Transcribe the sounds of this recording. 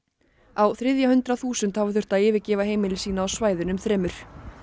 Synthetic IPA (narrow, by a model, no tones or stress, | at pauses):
awθɾɪðjahʏnt̪ɾaθuːsʏnt̪havʏθʏr̥t̪aɪːvɪcɪːvaɦeːjmɪlɪsiːnaːwsvaːjðʏnʏmθɾɛːmʏɾ̥